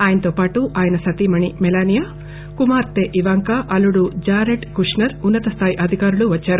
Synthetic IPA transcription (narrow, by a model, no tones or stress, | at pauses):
aːjɐnɐt̪oːpaːʈuʔaːjɐnɐsɐt̪imɐɳimɛlaːnijɐ | kumaːɾt̪eʔiʋaːŋkaʔɐluɽud͡ʒaːɾeʈkuʂnɐɾunːɐt̪ɐst̪ʰaːjiʔɐd̪ʱikaːɾuluʋɐt͡ʃːaːɾu